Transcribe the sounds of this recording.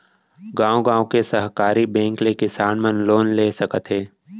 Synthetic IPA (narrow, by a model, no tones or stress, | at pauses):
ɡãːõɡãːõkesəɦkaːɾibɛ̃ːŋklekɪsaːnmə̃nloːnleːsɐkət̪ɦeː